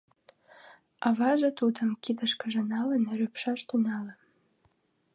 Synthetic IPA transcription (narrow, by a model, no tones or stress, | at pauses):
ɑβɑʒət̪ud̪ə̆mkid̪əʃkəʒə̆nɑlənɾøpʃɑʃt̪unɑlə